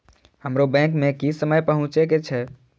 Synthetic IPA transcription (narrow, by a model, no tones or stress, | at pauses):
həmɾobɛ̃kmekisəməjpəɦũt͡ʃeket͡ʃʰɛ